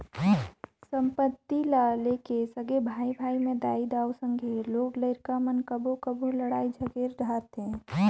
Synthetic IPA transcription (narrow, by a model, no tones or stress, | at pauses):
sə̃mpət̪ːilalekesəɡebʱaːibʱaːimẽd̪aːid̪aːusə̃ŋɡʱeloːɡləɪɾkamənkəbʱokəboləɽaːid͡ʒʱəɡeɾʱaːɾt̪ẽ